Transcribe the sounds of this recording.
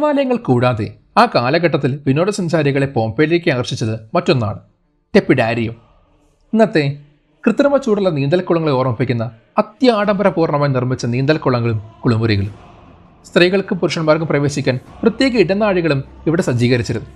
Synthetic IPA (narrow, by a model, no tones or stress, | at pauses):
ɐʋaːlɐjɐŋːɐɭkuːɽaːðe̞̰ | aːkaːlɐɣɐʈːɐt̪̬ːilʋino̞ːɽɐsɐɲt͡ɕaːɾiɣɐɭe̞po̞ːmpeːlekʲːɨaːɣɐrɕit͡ɕːɐðɨmɐtːo̞nːa̰ːɳɨ | ʈe̞pːiɽaːɾijɐm | inːɐt̪ːe | krɨt̪rɐmɐt͡ɕːuːɽulːɐniːnd̪ɐlkːuɭɐŋːɐɭeoːrɐmɐpːikʲːunːɐ | ɐt̪jɐaːɽɐmbɐɾɐpuːrɳɐmaːjinirmit͡ɕːɐniːnd̪ɐlkuɭɐŋːɐɭumkuɭumuriɣɐɭum | st̪riːɣɐɭkɨpuruʂɐɳɐmaːrkɨmprɐʋe̞ːɕikʲːaːnprɐt̪jeːɣɐiɽɐnːaːɻiɣɐɭumiʋiɽesɐd͡ʑiːɣɐɾit͡ɕːiɾunːu